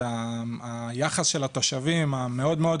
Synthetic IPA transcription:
aa | jaχasʃe̞lat̪o̞ʃavimame̞o̞d̪me̞o̞d

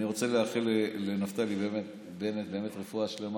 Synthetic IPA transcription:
niʁo̞t͡se̞leaχilelenaft̪alibe̞ːme̞t̪ | beːmet̪̚be̞ːme̞t̪ʁefuaʃle̞m

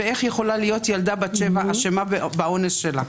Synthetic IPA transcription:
ee̞χjeχo̞lalijo̞t̪jald̪abat͡ʃevaʔaʃemabao̞nesʃela

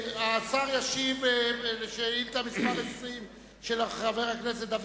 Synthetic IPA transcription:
at͡saʁjaʃivʃeilt̪amispaʁesʁim | ʃelaχaveʁhaknes̬et̚d̪av

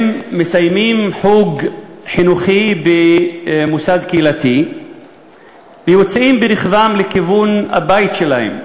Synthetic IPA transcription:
mːesajmimħuɡħinuχibemusad̪keilat̪i | vejot͡simbeɾiχvamlekivunha̰bajit̪ʃelahḛm

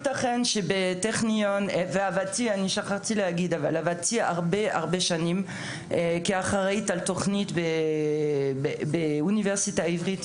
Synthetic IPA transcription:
itaχenʃebeteχnionveavatianiʃaχaʁtilehaɡid̪ava̰lavatia̰ʁbea̰ʁbeʃanim | kiaχaʁaitaltoχnitbe | beuniveʁsitaivʁit

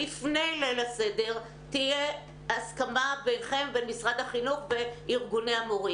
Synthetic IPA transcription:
ifne̞jlelase̞de̞ʁ | tije | askamabejnχe̞mbenmisʁad̪haχinuχbe̞iʁɡuneamoʁi

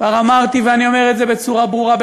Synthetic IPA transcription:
vaʁamaʁt̪iveanio̞me̞ʁet̪ze̞be̞t͡suʁabʁuʁab

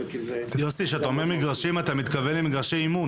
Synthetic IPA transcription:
josiʃeat̪aomeʁmiɡʁaʃimat̪amit̪kavelimiɡaʁʃejimun

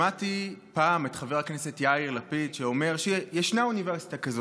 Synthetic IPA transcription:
atipaːmetχaveʁaknesetjaiʁlapid̪ʃeome̞ʁʃejeʃnauniveʁsi̥takazo

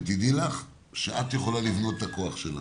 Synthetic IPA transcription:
t̪id̪ilaχ | ʃeʔat̪jeχo̞lalivno̞t̪tako̞aχʃela̰

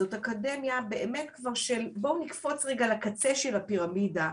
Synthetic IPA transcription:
zo̞takade̞mjabe̞ʔeme̞tkvaʁʃelbonikfo̞t͡sʁeɡalakat͡se̞ʃelapiʁamida

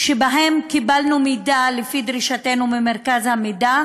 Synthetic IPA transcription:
ʃebaɦe̞mkibalnumidalefid̪ʁiʃate̞numemeʁkazhamida

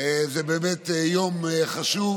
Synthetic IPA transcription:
zɛbeːmɛt̪jomeχaʃu

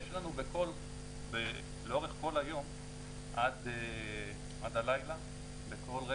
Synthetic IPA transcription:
ʃlanubeko̞l | be | leo̞ʁeχko̞lajo̞m | ʔad̪e | ʔadalajla | beko̞lʁe

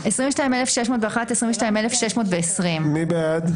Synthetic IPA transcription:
esʁĩveʃtaĩmelefʃeʃmotveaχatesʁĩveʃtaimelefʃeʃmo̞ːtveːsʁimmibead̪

